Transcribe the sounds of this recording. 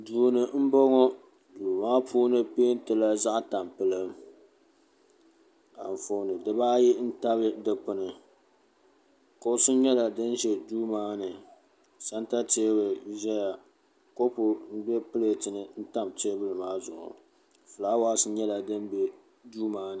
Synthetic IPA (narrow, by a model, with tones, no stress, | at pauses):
duː˨nɨ˨m̩˦bɔ˦ŋɔ˦ | duː˨maː˦pʰuː˦nɨ˦peː˦ntɨ˦la˦za˦ʔta˨mpɨ˨lɨ˦m | a̰˨ɱ˨fo˨nɨ˨dɨ˨baː˦ji˦n̩˦ta˦βɨ˦dɨ˨k͡pʊ˨nɨ˨ | ko˦sɨ˦ɲɛ˦la˨dɨ˦n˦ʒɛ˨duː˦maː˦nɨ˨ | sa˦n˦ta˦te˦bɨ˨ʒɛ˦ja˨ | ko˦pʊ˨m̩˦bɛ˦pɨ˦le˨tɨ˨nɨ˨n̩˦ta˦mte˦bɨ˦lɨ˨maː˦zʊ˨ʔʊ̰˨ | fɨ˨laː˦waː˦sɨ˦ɲɛ˦la˨dɨ˦n˦bɛ˦ | duː˦maː˦nɨ˨